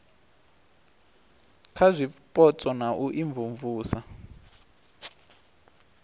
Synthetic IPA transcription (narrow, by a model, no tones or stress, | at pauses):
kʰazʷipʼɔt͡sʼɔnaʔuʔiɱvuɱvuːsa